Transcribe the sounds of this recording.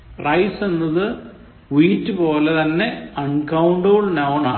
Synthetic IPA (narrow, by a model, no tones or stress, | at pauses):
rɐjsenːɐðɨ | ʋiːtːɨpo̞ːlet̪ɐnːe̞ɐɳkɐwɳɖoɭnɐːɳaː